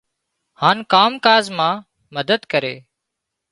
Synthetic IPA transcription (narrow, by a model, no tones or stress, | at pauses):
haːnkaːmkaːzmãː | məd̪əd̪kəɾeː